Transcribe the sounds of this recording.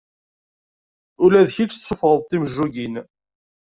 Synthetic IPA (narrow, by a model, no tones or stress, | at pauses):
ʊlæðçit͡ʃːsːofɾˤəðˤt̪ːiməʒːuʝin